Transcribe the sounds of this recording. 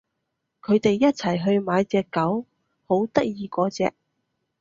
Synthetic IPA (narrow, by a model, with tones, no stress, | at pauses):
kʰɵ˨˧ɥt̪e˨jːɐ˥t̚t͡sʰɐ˨˩jɦɵ˧ɥmaː˨˧jt͡sɛː˨kːɐ˨˥w | ho˨˥wt̪ɐ˥k̚jiː˧kɔː˧t͡sɛ̰ː˧k̚